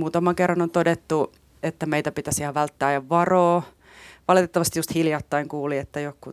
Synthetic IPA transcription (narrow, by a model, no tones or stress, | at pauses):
muːt̪ɑmɑŋkerːɑnont̪odet̪ːu | et̪ːæmeit̪æpit̪æsihɑʋʋælt̪ːæːjɑʋʋɑroː | ʋɑlit̪et̪ːɑʋɑst̪i̥just̪hiljɑt̪ːɑiŋkuːliet̪ːæjokːu